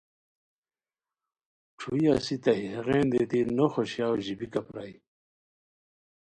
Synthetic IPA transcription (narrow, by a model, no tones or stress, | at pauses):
ʈ͡ʂʰuiasit̪ɐɦiheʁẽːnd̪et̪inoxoɕjawʑibikɐpɾai